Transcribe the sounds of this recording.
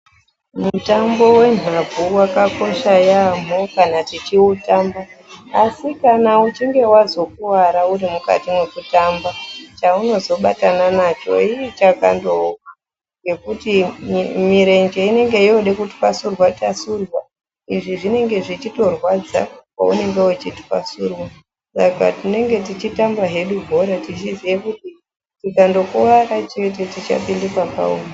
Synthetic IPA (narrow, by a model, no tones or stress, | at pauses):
mutambo̞we̞n̤auwakako̞ʃajam̤okanatit͡ʃiwutaːmbaːsikanaut͡ʃiŋɡe̞wazo̞kuwaɾauɾimuka̰timwekutambat͡ʃauno̞zo̞ɓatananat͡ʃo̞̰iit͡ʃaka̰ndokḁ | ŋɡe̞kutimiɾe̞nd͡ʒe̞ine̞ŋɡe̞ioɗekutwasurwatasurwa | iʐiʐine̞ŋɡe̞ʐit͡ʃito̞rwad͡za̰kwa̰une̞ŋɡe̞wut͡ʃitwa̰surwa | saka̰tine̞ŋɡe̞tit͡ʃitambaɦe̞ɗuɡʱo̞ɾatit͡ʃizijekuti | tikando̞kuʋaɾat͡ʃe̞t̬e̞tit͡ʃa̰pindikwaka̰uma